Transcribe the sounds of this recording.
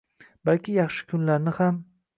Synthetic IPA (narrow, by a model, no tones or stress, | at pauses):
b̥alkʲɪjɑχʃɪ̥kʲʰʊnlaɾnɪham